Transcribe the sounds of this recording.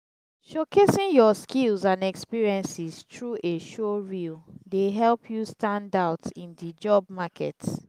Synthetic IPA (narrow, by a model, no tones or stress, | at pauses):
ʃokʰesĩnjɔskilˠzãnɛkspiɹiɛ̃nsistɹuʔeʃoɹildeɦɛlpʰjustãndaʊtĩndid͡ʒɔbmakʰɛ̰t